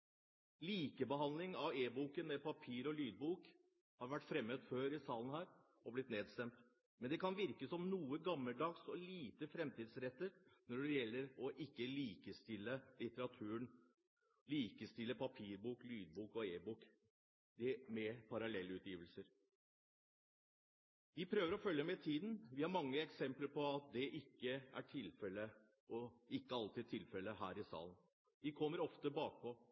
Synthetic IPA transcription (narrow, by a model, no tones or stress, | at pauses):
liːkəbəɦɑnlɪŋɑʋeːbuːkənmɛpʰɑpʰiːɾɔlyːd̪̚buːk | hɑɾʋæʈːfɾɛmːət̪føːɾɪsɑːlən̩hæːɾ | ɔblɪt̪neːd̪st̪ɛmt̪ | mɛnd̪ɛkʰɑnʋɪɾkəsɔmnuːəɡɑmːəlɖ̪ɑːɡsɔliːt̪əfɾɛmt̪iːd̪sɾɛt̪ːəɾnɔɖɛjɛlːəɾɔʔɪkːəliːkəst̪ɪlːəlɪt̪əɾɑt̪ʰʉːəɳ | liːkəst̪ɪlːəpʰɑpʰiːɾbuːklyːd̪̚buːkɔeːbuːk | d̪ɛmɛpʰɑɾɑlɛlːʉːt̪jiːʋəlsəɾ | ʋɪpʰɾøːʋəɾɔfœljəmɛt̪ʰiːd̪n̩ʋɪhɑɾmɑŋːəɛksɛmpləɾpʰɔɑt̪̚d̪ɛʔɪkːəæ̰ʈʰɪlfɛlə | ɔɪkːəɑlt̪ʰɪd̪̚t̪ʰːɪlfɛlːəɦæːɾɪsɑ̰ːln | ʋ̪ɪkʰɔmːəɾɔft̪əbɑːk̚pʰɔ